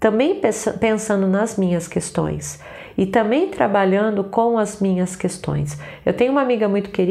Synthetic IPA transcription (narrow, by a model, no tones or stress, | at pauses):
t̪ɐ̃bẽj̃pspẽsɐ̃nd̪ʊnɐzmĩɲɐskest̪õ̰j̃s | ɪt̪ɐ̃mbẽj̃t̪ɾabaʎɐ̃nd̪ʊkõw̃ɐzmĩɲɐskest̪õ̰j̃sewt̪ẽjʊ̃umamiɡɐmũj̃t̪ʊ̥keɾi